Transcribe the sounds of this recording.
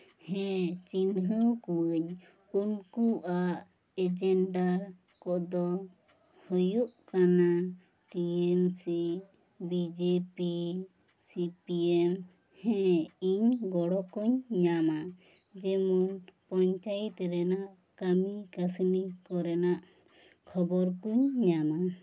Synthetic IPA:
hɛ̃t͡ʃinɦəwkuwəɲ | unkuʔa | ɛd͡ʒɛɳɖaɾ | kɔʔd̪ɔ | hɔjuʔkana | ʈiɛmsi | bid͡ʒepi | sipiɛm | hɛ̃iɲɡɔɽɔkuɲɲama | d͡ʒɛmɔnpɔɲt͡ʃajit̪ɾɛnaʔ | kamikasnikɔɾɛnaʔ | kʰɔbɔɾkuɲːama

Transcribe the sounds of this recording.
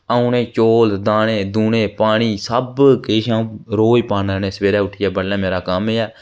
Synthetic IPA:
aũːneːt͡ʃoːld̪aːnẽːd̪uːnẽːpaːɳiːsəbkeːʃãːũɾoːipaːnɾɛːneːsəʋeːɾɛːʊʈʰːɪːɛːbəɽːɛ̃ːmeːɾaːkəmeːɛː

